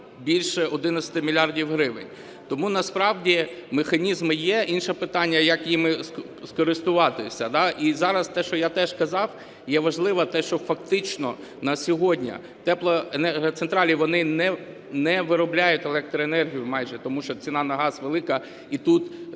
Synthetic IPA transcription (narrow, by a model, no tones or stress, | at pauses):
bʲilʲʃɛɔd̪ɪnɐsʲɐ̥t̪ɪmʲilʲɑrdʲiwɦɾɪʋɪ̰nʲ | t̪ɔmunɐspɾɑwdʲimexɐnʲizmɪjɛʔinʃɛpɪt̪ɑnʲːɐjɐkjimɪ | skɔɾɪst̪ʊʋɑt̪ɪsʲɐd̪ɑʔizɑɾɐst̪ɛʃt͡ʃɔjat̪ɛʒ̥kɐzɑw | jɛʋɐʒlˠɪʋɐt̪ɛʃt͡ʃɔfɐkt̪ɪt͡ʃnɔ | nɐsʲɔɦɔdʲnʲɐ̰ | t̪ɛplˠɐenɛt̪sent̪ɾɑlʲiʋɔnɪnɛ | nɛʋɪɾɔblʲajʊtʲelˠɛk̚t̪ɾɔenɛrɦʲijʊmɑjʒɛt̪ɔmuʃt͡ʃɔt͡sʲinɑnɐɦɑsʋelˠɪkɐ | it̪ut̪